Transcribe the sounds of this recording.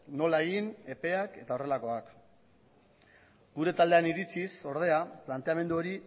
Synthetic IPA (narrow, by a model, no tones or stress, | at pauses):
no̞lae̞ɣine̞pe̞ake̞t̪ao̞re̞lako̞ak | ɡuɾe̞t̪ald̪e̞aniɾit͡siso̞ɾð̞e̞aplant̪eame̞nd̪uo̞ɾi